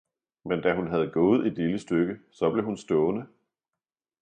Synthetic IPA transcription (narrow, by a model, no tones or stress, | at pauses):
mend̥æɦunɦæð̞̩ˠɡ̥ɔ̽ːð̩ˠid̥liləsd̥øɡ̥əsɒ̽b̥le̝ɦunsd̥ɔːnə